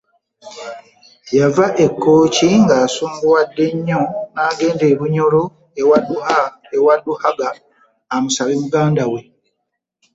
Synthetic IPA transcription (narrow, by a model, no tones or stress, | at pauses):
javaʔe̞kːo̞ːciŋɡaːsuːmɡuwadːe̞ɲːo̞naːɡe̞ːnde̞ːβuɲo̞lo̞ | ewadua | ewadːuhaɡaː | musaβimuɡaːndawe̞